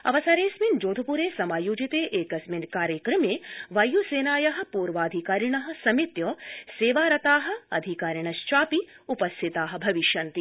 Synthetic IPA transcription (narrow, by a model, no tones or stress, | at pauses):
ɐ̰ʋɐsaːɾeːsmind͡ʒoːd̪ʱɐpuɾeːsɐmaːjuːd͡ʒit̪eːʔeːkɐsminkaːɾjɐkɾɐmeːʋɐjuseːnaːjɐɦɐ̆puːɾʋaːd̪ʱikaːɾiɳɐɦɐ̆sɐmit̪joseːʋaːɾɐt̪aːɦɐ̆ɐ̰d̪ʱikaːɾjiɳ̃ɐst͡ʃaːpi | upɐst̪ʰit̪aːɦɐ̆bʱɐʋiʃjɐnt̪i